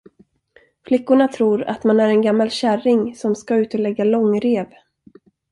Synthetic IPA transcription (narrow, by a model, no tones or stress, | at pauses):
flɪkːʊɳat̪ʰɾuːɾa̰t̪manæɾɛnɡamːalɕæɾɪŋsɔmskaʉ̟ːt̪ɔlɛɡːalɔŋːɾeːv